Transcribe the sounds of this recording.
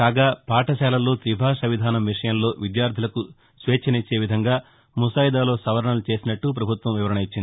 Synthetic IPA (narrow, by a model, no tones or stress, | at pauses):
kaːɡaːpaːʈɐʃɛːlɐlo̞ːt̪ɾibʱaːʂɐʋid̪ʱaːnɐmʋiʂɐjɐmlo̞ːʋid̪jaːɾd̪ʰʱilɐku | sʋeːt͡ʃʰɐnit͡ʃːe̞ːʋid̪ʱɐŋɡaː | musaːjid̪aːlo̞ːsɐʋɐɾɐɳɐlut͡ʃe̞ːsinɐʈːup̬ɾɐbʱut̪ʋɐmʋiʋɐɾɐɳɐit͡ʃːind̪i